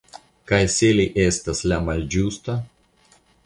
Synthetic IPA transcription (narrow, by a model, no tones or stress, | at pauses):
kɐjsʲeːlʲɛʔeːsʲt̪ʲɐslʲæmɐlʲd͡ʒʲuːst̪ɐ